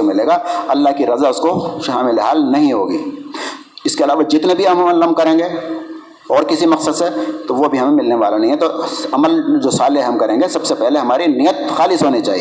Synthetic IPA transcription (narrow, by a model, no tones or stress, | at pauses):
omɪleːɡaɐlːaːɦkiɾɐzaʊskoʃaːmɪleɦaːlnɐɦĩɦoːɡḭː | ɪskeɐlaːʋad͡ʒɪt̪nebʱiɦɐmɐməlːɐm̚kɐɾẽːŋɡe | ɔːɾkɪsimɐqsəd̪set̪oʋobʱiɦɐmẽmɪlneʋaːlanɐɦĩɦɛt̪oɐməld͡ʒoːsaːleɦɐmkɐɾẽːŋɡesɐbsepɛɦleɦɐmaːɾinijət̪̚xaːlɪsɦoːnit͡ʃaːɦḭe